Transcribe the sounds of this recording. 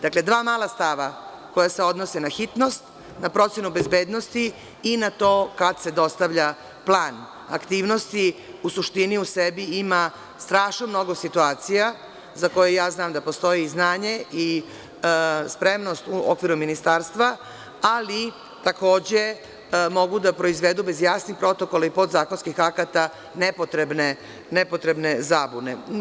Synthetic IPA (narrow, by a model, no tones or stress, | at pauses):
d̪̥akle̞d̪ʋaːmaːlˠast̪aʋa | ko̞jase̞o̞d̪no̞senaxit̪no̞st̪ | napɾo̞t̪sje̞nube̞zbeːd̪no̞st̪iː | nat̪o̞ːkad̪se̞d̪o̞st̪aʋʎa | plˠaːn | a̰kt̪iːʋno̞st̪iusuʃt̪iniusebiima | st̪ɾaːʃnomno̞ɡo̞sit̪uaːt̪sija | zako̞jejaːznaːmd̪apo̞st̪o̞jiːznaːɲe̞i | spɾe̞mno̞st̪uo̰kʋiɾuminist̪aːɾst̪ʋa | ali | t̪ako̞ːd͡ʑe̞ | mo̞ɡud̪apɾo̞izʋed̪ube̞zjaːsnixpɾo̞t̪o̞kolaipo̞d̪zaːko̞nskixakat̪a | ne̞pot̪ɾebne | ne̞pot̪ɾe̞bne̞zaːbune̞